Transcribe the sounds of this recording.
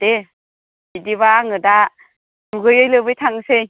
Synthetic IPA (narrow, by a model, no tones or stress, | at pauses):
d̥e | bidiβaːŋɯda | duɡɯjɯjlɯbɯjtʰaŋsej